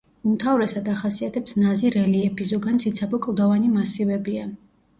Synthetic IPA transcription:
umt̪ʰavɾɛsad̪aχasiat̪ʰɛpsnaziɾɛliɛpʰizɔɡant̪sʰit̪sʰabɔkʼlˠd̪avanimasivɛbia

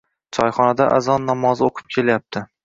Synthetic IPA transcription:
t͡ʃʰɒjχɒnad̪aʔazɒnːamɒzoqʰɨ̥p̚kʲʰe̞ljap̚t̪ʰɪ

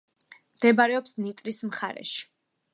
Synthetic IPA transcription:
md̪̥ɛbaɾɛɔpsnit̪ʼɾismχa̰ɾɛ̰ʃi̥

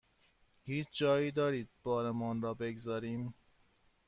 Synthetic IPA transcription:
hiːt͡ʃʰd͡ʒɒːjiːd̪ɒːɾiːd̪̚b̥ɒːɾemɒːnɾɒːbeɡzɒːɾiːm

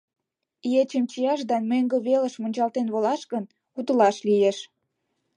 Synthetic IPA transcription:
iet͡ɕəmt͡ɕijɑʃ̬d̪ɑnmøŋɡə̆βelə̆ʃmunʲt͡ɕɑlt̪enβolɑʃkən | ut̪əlɑʃlieʃ

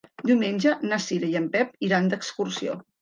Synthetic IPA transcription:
d̪iwmenʲd͡ʒənasiɾəjəmpɛpiɾand̪əkskursio̰

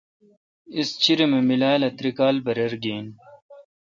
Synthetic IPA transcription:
ist͡ɕiɾememilaːlɐt̪ɾikaːlbɐɾɐɾɡiːn

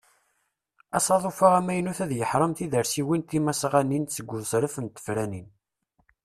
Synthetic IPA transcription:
æsˤɑðˤofaʁæmæjnuθæðjəħɾˤəmθiðəɾsiwint̪imæsʁænːint͡sːəɡʷːʊðˤsɾəfənt̪ːə̥fɾænin

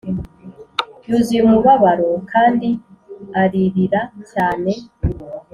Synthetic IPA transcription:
juːzimuβaβaɾo̞kʰaːndiaɾiɾiɾacaːne̞

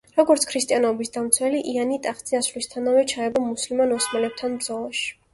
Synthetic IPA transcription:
ɾɔɡɔɾt̪sʰkʰɾist̪ʼianɔbisd̪amt̪sʰwɛliʔianit̪ʼaχt̪z̥ʼiasvlist̪ʰanavɛt͡ʃʰaɛbɔmuslimanɔsmɛlɛp̚t̪ʰanmzɔlˠaʃi̥

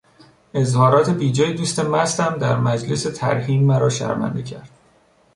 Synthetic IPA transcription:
e̞zhɒːɾɒːt̪ʰe̞biːd͡ʒɒːjed̪uːst̪e̞mæst̪æmd̪æɾmæd͡ʒle̞se̞t̪ʰæ̰ɾhiːmːæɾɒːʃæ̰ɾvæ̰nd̪ecʰæɾd̪̥

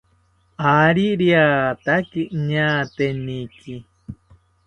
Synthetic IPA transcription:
aɾiɾiat̪akiʔɲãːt̪enĩki

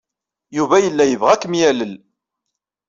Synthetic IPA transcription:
juvæjəlːæjəvʁækəmjæləl

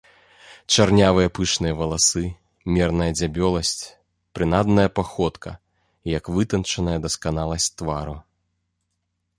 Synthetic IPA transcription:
t͡ʂarnʲavɨjɐpɨʂnɨjɐvɐlˠasɨ | mʲɛrnɐjɐd͡zʲabʲɔlˠɐsʲt͡sʲ | pɾɨnad̪nɐjɐpaxɔt̪kɐ̰ | jɐkvɨt̪ɐnt͡ʂɐnɐjɐd̪ɐskan̪alˠɐsʲt͡sʲt̪vaɾu

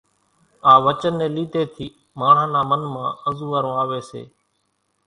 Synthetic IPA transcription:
aːʋət͡ʃənːẽːliːt̪eːt̪ʰiː | maːɳ̤ɦãːnaːmənmãːəzũːʋaːɾõːaːʋeːsḛː

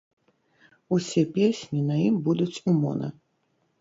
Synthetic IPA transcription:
usʲɛpʲesʲnʲinɐjimbud̪ut͡sʲumɔ̰nɐ̰

